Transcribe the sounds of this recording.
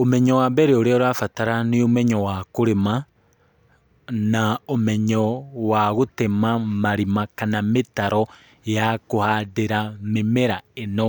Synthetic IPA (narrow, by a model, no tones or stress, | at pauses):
omɛɲɔwabɛɾeoɾeoɾwafataɾaniomɛɲɔwakoɾema | naomɛɲɔwaɣotemamaɾimakanametaɾɔ | jakohadeɾamemeɾaeno